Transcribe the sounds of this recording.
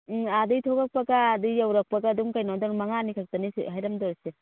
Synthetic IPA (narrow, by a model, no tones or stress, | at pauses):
adɯjtʰɔɡak̚paɡaːdɯjjawɾak̚paɡaduŋkajnadɔnmaŋanikʰak̚tanisḛɦajɾamdɔɾse